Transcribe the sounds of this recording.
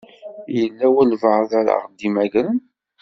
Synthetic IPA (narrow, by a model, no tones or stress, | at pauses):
jəlːæwəlvəʕðæɾa̰ʁd̪imæʝɾən